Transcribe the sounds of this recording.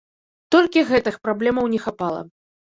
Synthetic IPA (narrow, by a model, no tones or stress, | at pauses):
t̪ɔlʲkʲiɣɛt̪ɨxpɾablʲɛmɐwnʲɛxapalˠɐ̰